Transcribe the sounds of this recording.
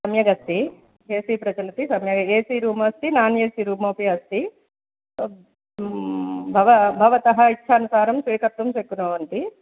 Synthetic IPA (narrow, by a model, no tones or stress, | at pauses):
sɐmjɐɡɐst̪i | eːsiːpɾɐd͡ʒɐlɐt̪isɐmjɐɡɐeːsiːɾuːmɐːst̪inaːnjeːsiɾuːmoːpiɐst̪i | bʱɐʋɐbʱɐʋɐt̪ɐɦɐitːʃʰɐːnusaːɾɐmsʋiːkɐt̪ʋɐmʃekːunoːʋɐnt̪i